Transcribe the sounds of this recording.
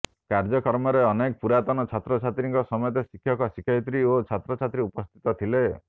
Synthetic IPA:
kaɾd͡ʒɔkɔɾmɔɾeɔnekɔpuɾat̪ɔnɔt͡ʃʰat̪ɾɔt͡ʃʰat̪ɾiŋkɔsɔmɔjɔt̪esikʰːjɔkɔsikʰjɔjt̪ɾiot͡ʃʰat̪ɾɔt͡ʃʰat̪ɾiupɔst̪ʰi̥t̪ɔt̪ʰile

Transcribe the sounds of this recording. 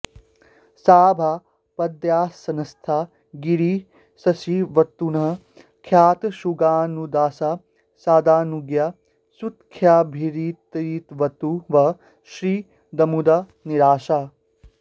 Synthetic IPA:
saːbʱa | pɐd̪jaːsɐnɐst̪ʰaː | ɡiɾiː | sɐsiʋɐt̪ːunɐɦ | kʰjaːt̪ʃuɡaːnud̪aːsa | saːd̪aːnuɡja | sut̪kʰjaːbʱiɾiːt̪iːt̪ʋɐt̪uʋɐ | ʃɾiː | d̪ɐmud̪a | niɾaːʃaː

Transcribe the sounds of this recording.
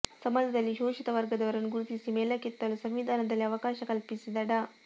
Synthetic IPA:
sɐmɐd̪ʱɐd̪ɐlːiʃoːʃit̪ɐʋɐɾɡɐd̪ɐʋɐɾɐnːuɡuɾut̪isimɛːlɐkit̪ːɐlusɐmʋid̪ʱaːnɐd̪ɐlːiɐʋɐkaːʃɐkɐlpisid̪ɐɽɐ

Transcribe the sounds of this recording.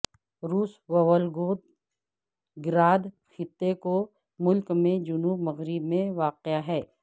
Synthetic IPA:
ɾuːsʋɐʋəlɡoːt̪ | ɡɪɾaːd̪ | xɪt̪ːeko | mʊlkmẽd͡ʒʊnuːbmɐɣɾɪbmẽʋaːqɪjaɦɛː

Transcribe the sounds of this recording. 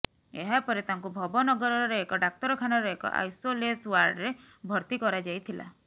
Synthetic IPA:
ḛɦapɔɾet̪aŋkubʱɔbɔnɔɡɔɾɔɾɾeekɔɖak̚t̪ɔɾɔkʰanɔɾeekɔ̰ʔa̰jsoleswaɾɖɾe | bʱɔɾt̪ikɔɾad͡ʒajt̪ʰila̰

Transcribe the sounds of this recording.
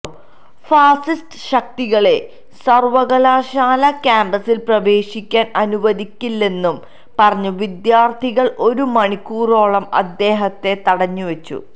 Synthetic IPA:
faːsistɨ̥ɕɐk̚t̪iɣɐɭe̞ | sɐrʋɐɣɐlaːɕaːlɐkʲaːmbɐsilprɐʋe̞ːɕikʲːaːnɐnuʋɐðikʲːilːe̞nːum | pɐrɐɲːuʋid̪jaːrt̪ʰiɣɐɭʔo̞ɾumɐɳikːuːro̞ːɭɐmɐ̰d̪ːe̞ːɦɐt̪ːe̞t̪ɐɽɐɲːuʋɐt͡ɕːṵ

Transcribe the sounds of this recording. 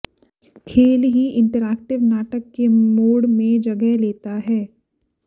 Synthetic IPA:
kʰeːlɦiʔɪ̃ɳʈəɾɛːk̚ʈɪʋnaːʈəkːemoːɽmẽd͡ʒɐɡɛɦleːt̪aɦɛː

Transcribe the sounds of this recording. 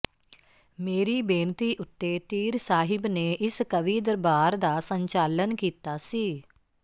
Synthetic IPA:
meːɾiːbeːnt̪iːʔʊt̪ːeːt̪iːɾsaːɦɪbneːʔɪskəʋiːd̪əɾbaːɾd̪aːsəɲt͡ʃaːlənkiːt̪aːsiː

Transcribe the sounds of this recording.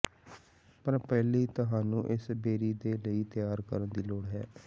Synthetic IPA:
pəɾpɛːliːt̪əɦaːnũːʔɪsbeːɾiːd̪eːləiːt̪ɪjaːɾkə̰ɾənd̪iːloːɽɦɛː

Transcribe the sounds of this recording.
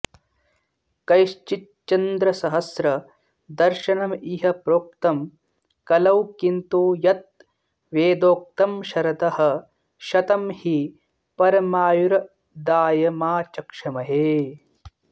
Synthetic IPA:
kɐjʃt͡ʃit̪̚t͡ʃɐnd̪ɾɐsɐɦɐsɾɐ | d̪ɐɾʃɐnɐmiɦɐpɾoːk̚t̪ɐm | kɐlɐwkint̪oːjɐt̪̚ | ʋeːd̪oːk̚t̪ɐmʃɐɾɐt̪ɐhɐ̆ | ʃɐt̪ɐmhi | pɐɾɐmaːjuɾɐ | d̪aːjɐmaːt͡ʃɐkʂɐmɐɦeː

